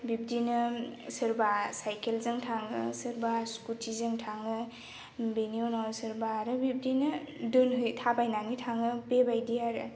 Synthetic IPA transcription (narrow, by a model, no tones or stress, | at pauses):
bib̚dinɯsɯɾbasajkelzɯŋtʰaŋɯsɯɾbaskutʰizɯŋtʰaŋɯ | benionawsɯɾbaɾɯbip̚dinɯ | dɯnɦɯjtʰabajnanitʰaŋɯbebajdiaɾɯ